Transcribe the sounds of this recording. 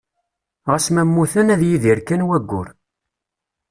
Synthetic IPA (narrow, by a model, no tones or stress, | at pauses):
ʁəsmæmːuθænæðjiðiɾkænwæɡʷːʊ̰ɾ